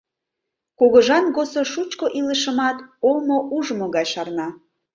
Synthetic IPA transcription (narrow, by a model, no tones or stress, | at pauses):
koɣəʒɑnɣosoʃut͡ɕkoʔiləʃə̆mɑt̪olmoʔuʒəmoɣɑjʃɑrnɑ